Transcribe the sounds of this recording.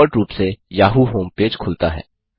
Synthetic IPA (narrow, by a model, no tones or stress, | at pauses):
ɾʈɾuːpsejaːɦuɦoːmpeːd͡ʒkʰʊlt̪aɦɛ̰ː